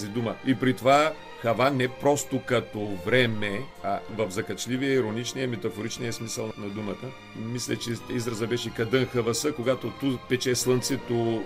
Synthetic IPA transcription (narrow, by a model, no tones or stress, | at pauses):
zid̪uməipɾit̪ova | xɐvanɛpɾɔst̪ʊkɐt̪ovɾɛmɛɐvɐfzɐkɐt͡ʃliviəiɾonit͡ʃnijəmɛt̪ɐfoɾit͡ʃnijɐsmisəlˠnɐd̪umət̪ə | mislʲɛt͡ʃɛizɾɐzɐbɛʃɛkɐd̪ənxɐvɐsəkoɡat̪ot̪upɛt͡ʃɛslˠənt̪sɛt̪o